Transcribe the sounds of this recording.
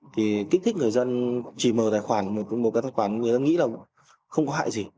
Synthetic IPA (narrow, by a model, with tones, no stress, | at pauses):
t̪ʰi˨˩ki˦˥k̚t̪ʰk̟̚ŋɨ˨˩əjzə˧nt͡ɕi˧˩məː˨˩t̪aː˨˩jxwaː˧˩nmo˨˩t̚mo˨˩aː˨˦jtʰaː˧˩xwaː˧˩n˦ŋɨ˨˩əzə˧nŋḭ˧˥laː˨˩ | xə˧wŋ͡mkɔ˨˦ɦa̰ː˧˨jzi˨˩